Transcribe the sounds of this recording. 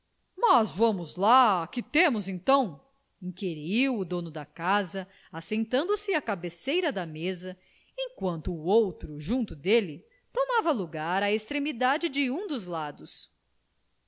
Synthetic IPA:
mɐzvɐ̃mʊzlakɪt̪ẽmʊzẽnt̪ɐ̃w̃ | ĩkeɾiwʊd̪õnʊd̪ɐkazɐ | asẽnt̪ɐ̃nd̪ʊsɪɐkabesejɾɐd̪ɐmezɐ | ẽkwɐ̃nt̪ʊːowt̪ɾʊʒũnt̪ʊd̪elɪ | t̪omavɐluɡaɾɐest̪ɾemid̪ad͡ʒɪd͡ʒɪũd̪ʊzlad̪ʊs

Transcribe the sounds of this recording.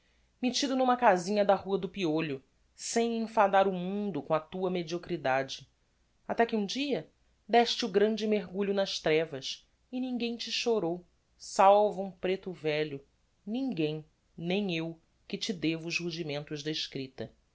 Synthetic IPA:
met͡ʃid̪ʊnũmɐkazĩɲɐd̪ɐhuɐd̪ʊpioʎʊ | sẽj̃ẽfad̪aɾʊmũnd̪ʊkõɐt̪uɐmed͡ʒiokɾid̪ad͡ʒɪ | at̪ɛkɪũd͡ʒiɐ | d̪ɛʃt͡ʃɪʊɡɾɐ̃nd͡ʒɪmeɦɡuʎʊnɐʃt̪ɾɛvɐs | ɪnĩŋɡẽj̃t͡ʃɪʃoɾow | sawvɐũpɾet̪ʊvɛʎʊ | nĩŋɡẽj̃ | nẽj̃ew | kɪt͡ʃɪd̪evʊːʃhuʒimẽnt̪ʊʒd̪ɐɪʃkɾit̪ɐ

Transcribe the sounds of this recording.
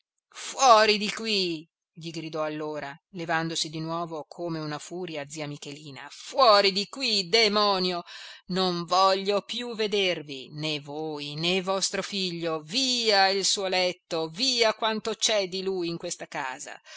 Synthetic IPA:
fwɔːɾid̪ikwi | ʎiɡɾid̪ɔalːoːɾalevand̪osid̪inwɔːvokʰomeunafuːɾjad̪ziːamikeliːna̰fwɔːɾid̪ikwid̪emɔːnjonoɱvɔʎːopjuved̪ervinevoːjnevɔst̪ɾofiʎːoviːailsuːolɛt̪ːoviːakwant̪ot͡ʃɛd̪iluːjiŋkwest̪aka̰ːza̰

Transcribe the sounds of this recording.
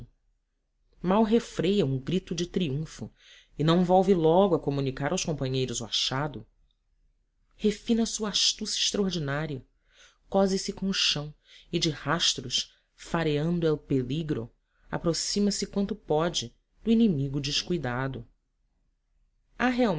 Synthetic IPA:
mawɦefɾejɐũɡɾit̪ʊd͡ʒɪt̪ɾiũfʊ | ɪnɐ̃w̃vɔwvɪlɔɡʊɐkomunikaɾawskõpɐ̃ɲejɾʊzʊa̰ʃad̪ʊ | hefĩnɐsuɐaʃt̪usɪʃt̪ɾɐoɾd͡ʒinaɾiɐ | kɔzɪsɪkõw̃ʊʃɐ̃w̃ | ɪd͡ʒɪhaʃt̪ɾʊʃ | faɾeɐ̃nd̪ʊɛlpeliɡɾʊ̰ | a̰pɾosĩmɐsɪkwɐ̃nt̪ʊpɔd͡ʒɪ | d̪ʊinimiɡʊd͡ʒɪʃkujd̪ad̪ʊ | aɦeaw

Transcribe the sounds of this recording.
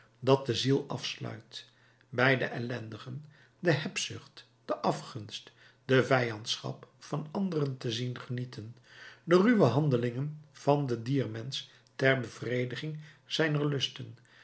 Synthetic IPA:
dɑt̚dəzilˠɑfslœ̰ɥt | bɛjdəʔɛlɛndəχən | dəɦɛpsʏχt | d̥əʔɑfχɵnst | dəvɛjɑntsχɑ̰pfɑnɑndərəntəzinχənitən | dəryʋəɦɑndəlɪŋənv̥ɑndədiːɹmɛns | tɛrbəv̥rejdəχɪŋ | z̥ɛjnəɹlɵstən

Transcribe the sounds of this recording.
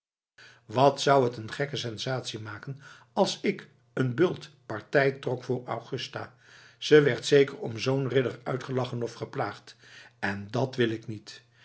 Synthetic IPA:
ʋɑtsʌwɦətənχɛkəsɛnzaːtsimaːkən | ɑlˠsɪk | ənbɵlˠtpɑɹtɛjtrɔkfʊːra̰wχɵstaː | z̥əʋɛɹtsejkərɔmzownrɪdərœ̰ɥtχəlɑχənɔfχəplaːχtɛndɑtʋɪlɪknit

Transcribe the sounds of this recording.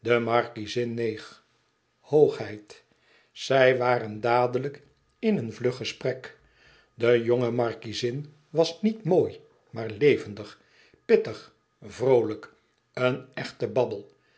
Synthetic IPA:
dəmɑɹkizɪnːejχ | howχɦɛjt | sɛjʋaːɾəndaːdələk | ɪnənvlɵχəsprɛk | dəjoŋəmɑɹkizɪn | ʋɑsnitmoːj | maːɹlejvəndəχ | pɪtəχ | vrowlək | ənɛχtəbɑbəlˠ

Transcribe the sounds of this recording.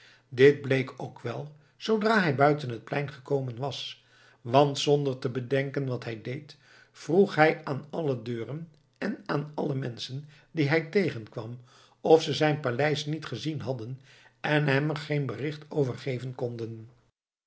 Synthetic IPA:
dɪd̚blejkʰowkʰʋɛlˠ | zowdraːɦɛjbœɥtənɦət̚plɛjnχəkowmənʋɑs | ʋɑntsɔndərtəbədɛŋkənʋɑtɦɛjdejt | fruχɦɛjaːnɑlədøːrən | ɛnaːnɑləmɛnsəndiɦɛjtejχənkʋɑ̰m | ɔfsəzɛjnpalɛjsnitχəzinɦɑdən | ɛnɦɛmərχeɪnbərɪχtowvərχejvənkɔndən

